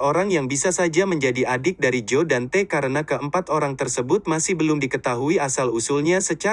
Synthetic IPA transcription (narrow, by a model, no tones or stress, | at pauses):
oɾaŋjaŋbisasad͡ʒaməɲd͡ʒadiʔadɪk̚daɾid͡ʒodant̪ɛkaɾənakəʔəmpat̪oɾaŋt̪ərsəbʊt̪̚masɪhbəlʊmdikət̪aɦuiasalusulɲasət͡ʃa